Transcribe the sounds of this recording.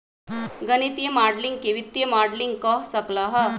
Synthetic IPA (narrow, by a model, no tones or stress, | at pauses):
ɡənit̪ijəmaɾɖliŋɡ̚keʋit̪ːjəmaɾɖliŋɡkəɦsəklaɦə